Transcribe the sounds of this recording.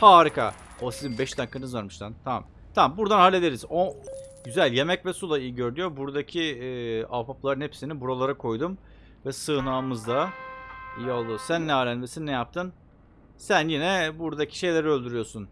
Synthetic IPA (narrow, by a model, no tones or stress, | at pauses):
haːɾɯka̰ | osizimbɛʃt̪ʰankʰɯnɯzaɾmɯʃt̪ʰant̪ʰama̰m | t̪ʰamambuɾd̪anhalʲːe̞d̪e̞ɾizoɟyzælʲje̞mɛcvɛsulˠaijiɟø̞ɾynyjo̞buɾd̪acʰiapaplˠaɾɯnhepsinibuɾolˠaɾakʰo̞jd̪um | vɛsɯːnaːmɯzd̪a | ijolˠd̪usænːɛaːlʲænmesinnɛjap̚t̪ʰɯn | sænjinɛbuɾd̪acʰi̥ʃe̞jlʲeɾɛø̞lʲd̪yɾyjo̞sun